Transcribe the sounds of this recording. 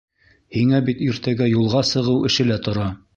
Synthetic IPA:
hiŋæbit̪iɾt̪æɡæjulˠʁɑsɤ̆ʁɤwɘ̆ʃɘ̆læt̪ŏɾɑ

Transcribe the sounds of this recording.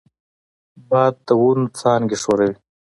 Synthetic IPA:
bɑːd̪̚t̪awunut͡sɑːnɡeʂoɾawi

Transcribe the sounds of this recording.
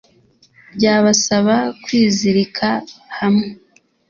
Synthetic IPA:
bɟaːβasaβakwiːziɾikʰahamŋe

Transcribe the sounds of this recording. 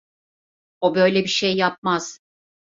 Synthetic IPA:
obø̞jlʲɛbiʃejːap̚maz̥

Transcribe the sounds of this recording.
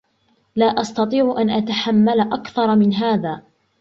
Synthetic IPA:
laːʔɑst̪ɑt̪ˤiːʕʊʔanʔat̪aħamːalaʔakθɑɾˤmɪnɦaːðaː

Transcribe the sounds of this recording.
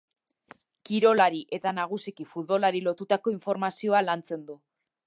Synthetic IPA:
kiɾo̞laɾiʔe̞t̪anaɣ̞usikifut̪̚βo̞laɾilo̞t̪ut̪ako̞iɱfo̞ɾmasio̞alant͡se̞nd̪u

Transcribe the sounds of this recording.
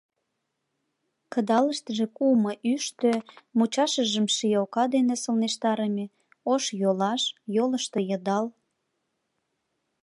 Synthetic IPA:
kəd̪ɑləʃt̪əʒekuməʔyʃt̪ømut͡ɕɑʃəʒəmʃijokɑd̪enesəlneʃt̪ɑɾəme | oʃjolɑʃjoləʃt̪ejə̆d̪ɑl

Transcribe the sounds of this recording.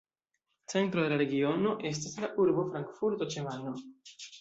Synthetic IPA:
t͡se̞ntɾo̞d̪e̞laɾe̞ɡio̞no̞ʔe̞s̬taslaʔuɾbo̞fɾaŋkfuɾto̞t͡ʃe̞mano̞

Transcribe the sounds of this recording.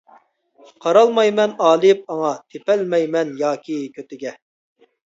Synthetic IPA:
qʰɑɾɑlˠmɑjmɛnɑːlˠɨp̚ɑŋɑt̪ʰepɛlmɛjmɛnjɑːkʲʰikʲʰøt̪ɪɡʲɛ

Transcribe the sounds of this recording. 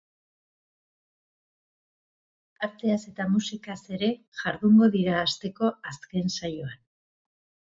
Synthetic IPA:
aɾt̪e̞ase̞t̪amusikase̞ɾe̞ | ʝaɾðuŋɡo̞ðiɾaːst̪e̞ko̞aske̞nsajo̞an

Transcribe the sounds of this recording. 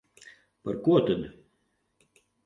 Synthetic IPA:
pa̰ɾkuɔt̪ad̪

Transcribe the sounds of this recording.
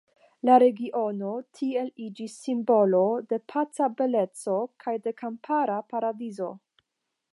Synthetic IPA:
laɾe̞ɡiʔo̞notʰie̞lid͡ʒisːimbo̞lo̞de̞pʰat͡sabe̞le̞t͡so̞kʰajde̞kampʰaɾapaɾadizo̞̰

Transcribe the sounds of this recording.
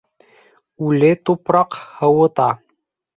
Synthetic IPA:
ʉlɘt̪upɾɑqhɤ̆wɤ̆t̪ɑ

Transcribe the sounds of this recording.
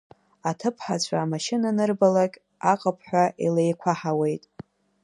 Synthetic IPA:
atʰɨpʰħat͡ɕʷʰʼaaːmaʃɪnanɨrbalakʲʼ | aqʼapʰħʷᶣaʔḭlejkʷʰaħawe̞jtʼ

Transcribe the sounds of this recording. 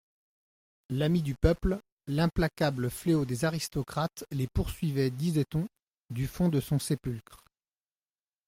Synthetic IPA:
lamid̪ypœpl | lɛ̃plakʲabləfleod̪ezaʁist̪ɔkχat̪lepuʁsɥivɛd̪izɛt̪ɔ̃ | d̪yfɔ̃d̪əsɔ̃sepylkχ

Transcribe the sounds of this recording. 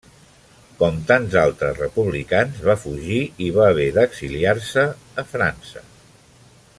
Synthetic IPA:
kɔmt̪anzalˠt̪ɾəzrəpuβlikanzβafuʒiiβaːβ̞ɛðəɡziliarsəː | fɾansə̰

